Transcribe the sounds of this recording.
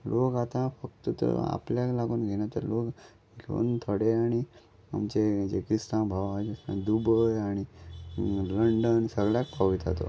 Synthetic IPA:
lokat̪ãfək̚t̪ət̪ə̰a̰pljalaɡuːnɡʱenjat̪əɾlok | lo̰ːnt̪ʰəɽeaɽ̃i | a̰mt͡ɕed͡ʑḛkɾist̪ãbʱaʋad͡ʑesd̪ubəjaɽ̃i | ləɳɖənsəɡɭjakpʰaʋit̪at̪o̰

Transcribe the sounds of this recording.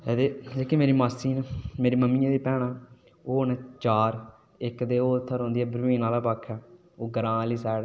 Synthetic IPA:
eːd̪eːd͡ʒeːkeːmeːɾiːmaːsiːnmeːɾiːməmiːãːd̪iːpɛːɽaː | oːʊnːt͡ʃaːɾ | ɪkd̪eːoːt̪ʰːəɾɦõːnd̪iːɛːbəɾʋĩːnaːlaːpaːkʰːɛː | oːɡəɾãːliːsɛːɽ

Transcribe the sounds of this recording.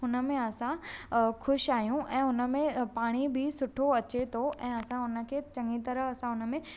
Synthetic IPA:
ɦʊnə̆mẽɐsãxʊʃaːɦijũʔɛ̃ːʊnə̆mẽpaːɽ̃ibʱɪsʊʈʰoɐt͡ɕet̪ʰoʔɛ̃ːɐsãʊnə̆kʰeːt͡ɕɐ̃ŋɡit̪ɐɾəɦɐsãɦʊnə̆mẽ

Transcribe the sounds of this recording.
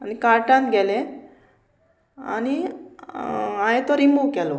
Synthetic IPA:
anikaɾʈãnt̪ɡɛle | a̰ni | ajet̪oɾimbukɛlo

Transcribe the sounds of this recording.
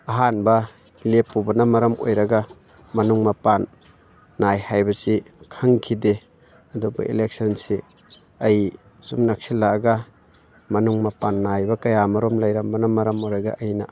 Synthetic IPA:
ɐɦanbɐ | lepːubɐnɐmɐɾɐmo̰jɾɐɡɐ | mɐnuŋmɐpanː | ajhajbɐsikʰɐŋkʰide | ɐdubɐ̰ḭlek̚sɐnsi | ɐj | sumnak̚silːaɡɐ | mɐnuŋmɐpanːajbɐkɐjamɐɾɔmlɐjɾambɐnɐmɐɾɐmojɾɐɡa̰ɐjnɐ̰

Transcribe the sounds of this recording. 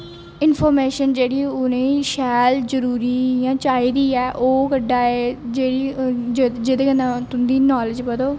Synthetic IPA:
ɪnpʰɔːɾmeːʃənd͡ʒeːɽiːʊnẽːʃɛːld͡ʒəɾuːɾiːjãːt͡ʃaːiːd̪iːɛːʔoːkəɖaːeːd͡ʒeːɽiːd͡ʒd͡ʒɪd̪eːənãːt̪ʊnd̪iːnɔːlɪd͡ʒbəd̪oː

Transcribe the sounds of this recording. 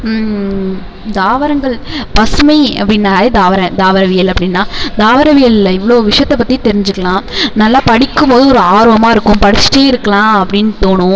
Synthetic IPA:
d̪aːʋɐɾɐŋɡɐɭpɐsɯmɐɪɐpːɐɽɪnːaːɾeːd̪aːʋɐɾɐ̃d̪aːʋɐɾɐʋɪjɐlɐpːɐɽɪnːaːd̪aːʋɐɾɐʋɪjɐlɪlːɐɪʋːɐɭoːʋɪʂɐjɐt̪ːɐpːɐt̪ːit̪ɛɾɪɲd͡ʒɯkːɐɭãːnɐlːaːpɐɽɪkːɯmpoːðɯɔɾɯaːɾoːʋɐmaːɪɾɯkːʊ̃mpɐɽɪt͡ʃːɪ̥ʈeːɪɾɯkːɐɭãːɐpːɐɽɪnːt̪oːɳʊ̃

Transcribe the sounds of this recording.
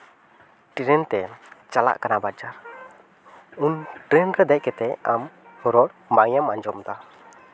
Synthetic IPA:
ʈiɾɛnt̪ɛt͡ʃala̰ʔkanabad͡ʒaɾ | unʈɾɛnkəd̪ɛʔ̚kɛt̪ɛa̰m | hɔɾɔlbaŋɛmaɲd͡ʒɔmd̪a

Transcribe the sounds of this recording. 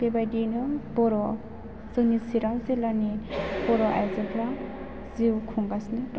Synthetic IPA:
b̥ebajdinɯbɔɾɔ | z̥ɯŋnisiɾaŋzilanibɔɾɔʔa̰jzɯpɾa | ziwkʰuŋɡasnɯt

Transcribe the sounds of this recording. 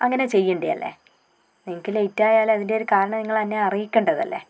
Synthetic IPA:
ɐŋːɐne̞t͡ɕe̞jːuɳɖijɐ̰lːḛ | niŋikʲːiletːaːjaːlɐðindeoɾukaːɾɐɳɐmniŋːɐɭɐnːeɐrijikʲːeɳɖɐðɐ̰lːḛ

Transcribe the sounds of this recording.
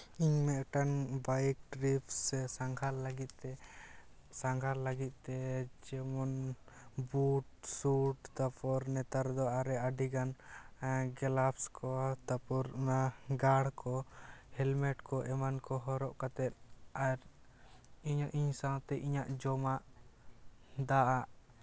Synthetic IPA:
iɲmɛʔʈanbajk̚ɖɾipsɛsaŋɡʱalːəɡit̪̚ˀt̪ɛ | saŋɡʱalːaɡit̪̚ˀt̪ɛd͡ʒɛmɔn | buʈsuʈt̪apɔɾnɛt̪aɾd̪ɔʔaɾɛaɖiɡan | ɡɛlapskʰɔt̪apɔɾnaɡaɽkʰɔhɛlmɛʈkɔʔɛmankɔɦɔɾɔʔkat̪ɛt̪̚aɾ | iɲʔiɲsawt̪ɛʔiɲaʔd͡ʒɔmaʔ | d̪aʔaʔ

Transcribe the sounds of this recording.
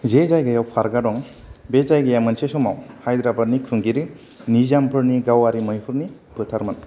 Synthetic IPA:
zezajɡajawpʰaɾɡadɔŋ | bezajɡaamɯnsesɔmawhajd̪ɾabad̚nikʰɯŋɡiɾi | nizampʰɯɾniɡawaɾimɯjpʰɯɾni | pɯtʰaɾman

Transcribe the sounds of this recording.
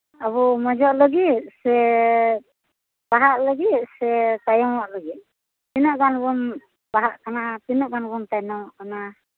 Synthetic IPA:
aβɔmɔd͡ʒɔʔləɡit̪̚sɛ | baɦaʔləɡit̪̚sɛt̪ajɔŋwaʔləɡit̪̚ | t̪inɔʔɡanbɔn | baɦaʔkanat̪inɔʔɡanbɔnt̪ajnawaʔkana

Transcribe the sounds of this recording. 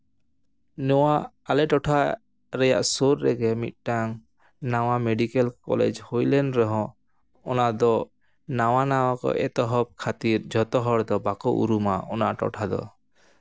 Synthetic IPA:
nɔwaː | lɛʈɔʈʰa | ɾɛja̰ʔsoɾːɛɡɛmḭt̪̚ˀʈaŋ | naw̃ameɖikɛlkɔ̰lɛ̰d͡ʒhojlɛnɾɔɦɔ̃ | ɔnad̪ɔ | nawanaw̃akɔ̰ʔɛt̪ɔɦɔb̚kʰat̪iɾd͡ʒʱɔt̪ɔɦɔɽd̪ɔbakɔʔṵɾumaɔnaʔʈɔ̰ʈʰad̪ɔ̰

